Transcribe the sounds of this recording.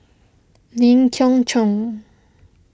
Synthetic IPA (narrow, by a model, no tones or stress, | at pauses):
niŋkʰɔŋt͡ɕʰɔŋ